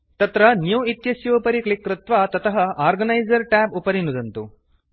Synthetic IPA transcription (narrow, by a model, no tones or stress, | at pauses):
t̪ɐt̪ɾɐnjuːit̪jɐsjɐʋpɐɾikɭikːɾɪt̪ʋaːt̪ɐt̪ʰɐɦɐaːɾɡɐnɐjd͡ʒɐɾʈaːpupɐɾinːud̪ɐnt̪u